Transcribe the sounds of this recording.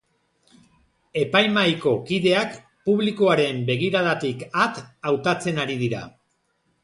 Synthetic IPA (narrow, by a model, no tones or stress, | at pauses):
e̞pajmajko̞kiðe̞ak | puβliko̞aɾe̞mbe̞ɣiɾaðat̪ikat̪awt̪at͡se̞naɾið̞iɾa̰